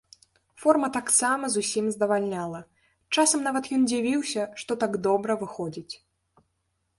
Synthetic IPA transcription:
fɔrmɐt̪aksamɐzusʲimzd̪ɐvalʲnʲalˠɐ | t͡ʂasɐmnavɐt̪jɔnd͡zʲivʲiwsʲɐʂt̪ɔt̪aɡd̪ɔbɾɐvɨxɔd͡zʲit͡sʲ

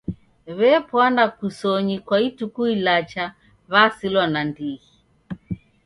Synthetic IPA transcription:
βɛpwandakusɔɲikwaitukuilat͡ʃa | βasilwanandiɣi

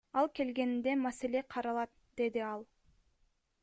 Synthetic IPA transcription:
ɑlˠke̞lɡe̞nind̪e̞masele̞qʰɑɾɑlˠɑt̪̚ | d̪e̞d̪iɑlˠ

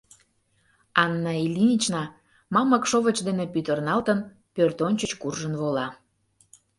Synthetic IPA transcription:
ɑnːɑilʲinʲit͡ɕnɑ | mɑmɑkʃoβət͡ɕd̪enepyt̪ərnɑlt̪ən | pørt̪onʲt͡ɕət͡ɕkurʒənβolɑ

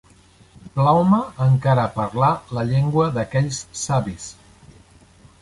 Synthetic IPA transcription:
plawməːŋkaɾəːpəɾlaləʎeŋɡwəðəkɛʎsːaβis

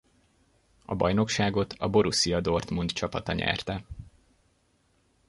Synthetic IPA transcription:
ɒbɒ̰jno̞kʃaːɡo̞t̪ʰɒbo̞ɾusijɒd̪o̞rt̪mund̪t͡ʃɒpɒt̪ɒɲɛ̰rt̪ɛ

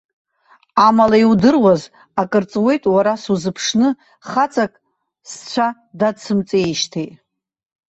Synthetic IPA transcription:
amalaiwdɨrwaz | akʼɨrt͡sʼwe̞jtʼwaɾasuzɨpʰʂnɨ | χat͡sʼakʼ | st͡ɕʷʰa | dadsʰɨmt͡sʼejʃtʰejtʼ

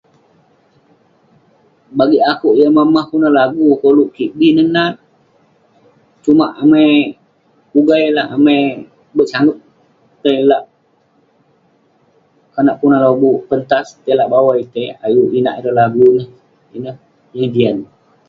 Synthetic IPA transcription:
baɡiakuʔjaməmahkunalaɡukoluʔkiʔbinəhnat̪̚ | t͡ʃumaʔamaj | uɡajlaʔamaj | bəʔ̚saŋʊt̪̚ | t̪əjlaʔ | kanaʔkunahlobupənt̪ast̪əlaʔbawajt̪əja̰juʔina̰ʔidəlaɡunəh | inəh | jəŋdian

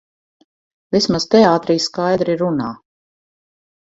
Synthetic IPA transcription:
vismaz̥t̪ɛaːt̪ɾiːskajd̪ɾiɾːunaː

